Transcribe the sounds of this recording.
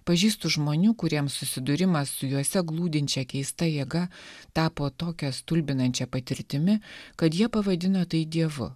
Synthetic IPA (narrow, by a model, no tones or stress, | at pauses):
pɐʒʲiːst̪ʊʒmoːnʲuːkʊɾʲiɛmsʊsʲɪd̪ʊɾʲɪmɐsːʊjuɔsʲɛɡlˠuːd̪ʲɪnʲt͡ʃʲɛkʲɛɪst̪ɐjiɛɡɐt̪ɑːpoːt̪oːkʲɛst̪ʊlʲbʲɪnɐnʲt͡ʃʲɛpɐt̪ʲɪɾʲt̪ʲɪmʲɪkɐt̪jiɛpɐʋɐd̪ʲɪnoːt̪ɐɪd̪ʲiɛʋʊ̰